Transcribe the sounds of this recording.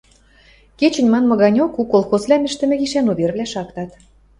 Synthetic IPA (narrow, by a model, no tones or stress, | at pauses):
ket͡ɕɘ̆nʲmɑnmŏɣɑnʲokukolˠxozβlʲæmɘ̆ʃt̪ɘ̆mɘ̆ɣiʃænuβʲerβlʲæʃɑkt̪ɑt̪